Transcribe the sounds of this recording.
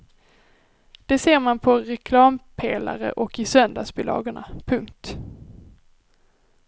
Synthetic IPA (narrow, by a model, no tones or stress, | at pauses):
d̪̥ɛseːɾmanpʰɔɾɛkʰlɑːmpʰeːla̰ɾə̰ʔɔkɪsœnd̪ɑːsbɪlɑ̰ːɡəɳa̰pʰɵŋkt̪